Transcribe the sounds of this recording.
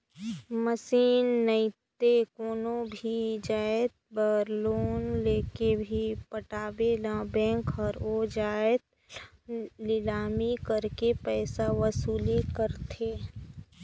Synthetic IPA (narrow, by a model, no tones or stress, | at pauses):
məsiːnːəɪt̪ekoːnõbʱid͡ʒaːet̪̚bəɾloːnleːkebʱipəʈaːbelãbɛ̃ːŋkɔɾoːd͡ʒaːt̪̚ | lɪlaːmikəɾkepɛːsaʋəsuːlikəɾt̪ʰeː